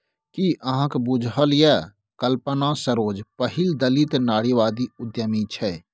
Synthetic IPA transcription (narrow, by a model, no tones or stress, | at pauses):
kiʔɐɦãkbʊd͡ʒʱɦəlja | kəlpənasəɾoːd͡ʒpəɦɪld̪əlit̪naːɽiʋaːd̪iʊd̪jəmit͡ʃʰɛː